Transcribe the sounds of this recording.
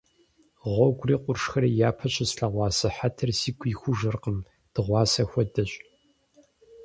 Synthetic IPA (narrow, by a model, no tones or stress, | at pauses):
ʁʷɔɡʷriːqʷʼʊrʂxɐɾjaːpʰɐɕʰʼɪsɬɐʁʷɑːsɐħatʰɐrsiːɡʷʰiːxʷʊʒɐrqəm | d̥ɨʁʷɑːsɐxʷɔdɐɕʼ